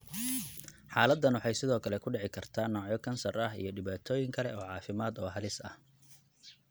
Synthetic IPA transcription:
ħaːlɐd̪ːɐnwɑħɑjsɪðɔːkʰɐlɛkʰʊɖɛʕɪkʰɐrt̪ʰaːnːɔːʕjɔkʰɐnsɐrɐɦḭjɞɖɪβaːt̪ʰɔːjɪŋkʰɐlɛ̰ɔːʕɑːfɪmaːd̪ɔːɦɐlɪsɐ̰h

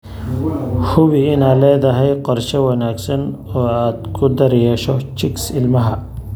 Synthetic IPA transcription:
hʊwiɪnaːlɛːd̪ɐɦɛjqɔɾʃɐwɐnaːɡsɐnɔːaːd̪kʰʊd̪ɐɾɛjɛʃɔt͡ʃɪksɪlmɐɦɐ

